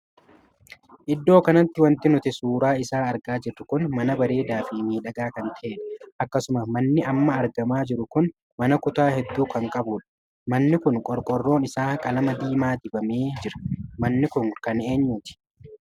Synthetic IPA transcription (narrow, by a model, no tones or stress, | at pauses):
ʔɪd̪ːo̞ːkɐnɐt̪ːɪwɐnt̪ɪnʊt̪ɪsuːɾaːɪsaːɐɾɡaːd͡ʒɪɾːʊkʊnmɐnɐbɐɾe̞ːd̪aːfimiːᶑɐɡaːkɐnt̪ʰɐʔeːᶑɐʔɐkːɐsʊmɐmɐnːɪʔɐmːɐːɾɡɐmaːd͡ʒɪɾʊkʊn | mɐnɐkʊt̪aːhɛd̪ːuːkɐŋkʼɐbuːᶑɐ̥ | mɐnːɪkʊŋkʼɔɾkʼɔrːo̞ːnɪsaːkʼɐlɐmɐd̪iːmaːd̪ɪbɐmeːd͡ʒɪɾɐ̥mɐnːɪkʊŋkɐne̞ːɲːuːt̪ɪ̥